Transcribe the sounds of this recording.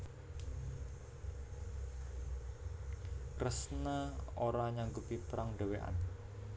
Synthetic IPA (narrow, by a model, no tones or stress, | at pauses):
krəsnəoɾaɲaŋɡupipəɾaŋda̤weʔa̰n